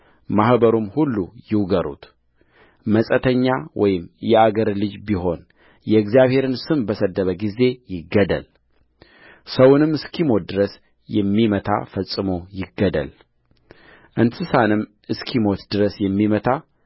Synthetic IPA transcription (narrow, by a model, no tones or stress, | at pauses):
mahbəɾumhulːujɪwɡəɾṵt̪ | məsʼət̪ʰəɲːawʔɔ̰jɪmjɛaɡəɾlɨd͡ʒbiho̞n | jɛɨɡzijaβhe̞ɾɨnsɨmbəsəd̪ːəβəɡize̞jɪɡːəd̪ə̰l | səwnɨmɨskʰimo̞d̪ɨɾəs | jɛmːimət̪ʰa̰fəsʼɨmojɪɡːəd̪ə̰l | ʔɨnt̪ʰɨsanɨmː | ɨskʰimo̞t̪d̪ɨɾəsjɛmːimət̪ʰa